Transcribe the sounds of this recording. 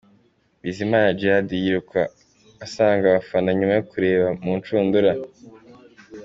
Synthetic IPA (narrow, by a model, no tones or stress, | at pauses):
βizimaːnad͡ʒiadijiɾuka̰ː | saːŋɡaβafanaɲumajokuɾe̞ːβamunt͡ʃuːnduɾa